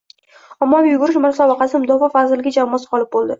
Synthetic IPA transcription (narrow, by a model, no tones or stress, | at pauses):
amːɒjʊɡʊɾɪʃmaɾsɒbaqɑsɪmʊd̪ɒfafazɪlɪɡʲad͡ʒamːɒsqɒlˠɪp̚bolˠd̪ɪ